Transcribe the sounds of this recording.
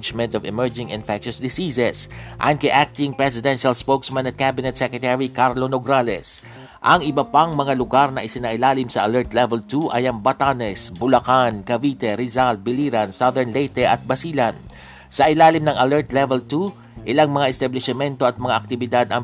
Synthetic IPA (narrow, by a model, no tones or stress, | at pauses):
d͡ʒmɛ̃nt̪ɔvɪmɛɹd͡ʒɪŋɪnfɛkʃosd̪ɪsisɛsʔa̰ɐn̚kɐjʔak̚t̪ɪŋpɹɛsɪd̪ɛnʃalspowksmãnɐt̪̚kabɪnɛt̪sɛkɹɛt̪ɛɹikaɾlonoɡɾalɛ̰s | ʔɐŋɪbɐpaŋmɐŋalʊɡaɾnɐʔɪsɪnaʔɪlaːlɪmsɐʔɐlɛɹt̪lɛvɛlt̪uʔɐjɐŋbɐt̪anɛsbʊlɐkankɐvit̪ɛɾɪzalbɪliɾɐnsaðɛɹnlejt̪ɛʔɐt̪̚bɐsiːlɐn | sɐʔɪlaːlɪmnɐŋɐlɛɹt̪lɛvɛlt̪u | ʔɪlaŋmɐŋaʔɪst̪ɐblɪʃɛmɛnt̪o̞ɐt̪̚mɐŋaʔɐk̚t̪ɪbɪd̪ad̪ɐŋ